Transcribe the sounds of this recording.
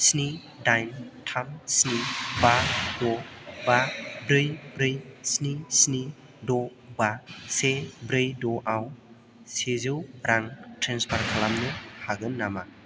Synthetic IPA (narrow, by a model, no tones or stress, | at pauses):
sni | dajntʰamsnibadɔbabɾɯjbɾɯjsnisni | dɔ | basebɾɯjdɔʔaw | sezɯwɾaŋtʰɾenspʰaɾkʰalamnɯhaɡɯnːama